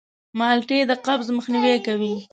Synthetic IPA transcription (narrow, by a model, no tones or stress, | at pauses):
mɑlʈed̪əqabzməxniwekawi